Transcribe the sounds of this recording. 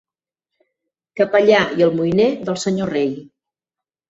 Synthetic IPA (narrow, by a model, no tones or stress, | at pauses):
kəpəʎaiəlˠmujneðəlˠsəɲorej